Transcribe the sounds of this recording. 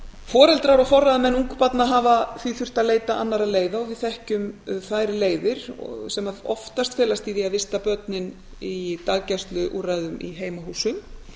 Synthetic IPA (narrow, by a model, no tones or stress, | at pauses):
fɔːɾɛlt̪ɾaɾɔfɔrːaðamɛnuŋkʏ̥pat̪naɦaːvaθviθʏr̥t̪aðleːjt̪aʔanːaɾaðleːjðaɔɣvɪðθɛhcʏmθaːjɾɪleːjðɪɾ̥ɔsɛmaɔ̰ft̪ast̪fɛːlast̪iðiaðɪst̪apœt̪nɪn | it̪aːɣcast̪lʏʔuɾaðʏmḭɦeːjmaɦuːsʏm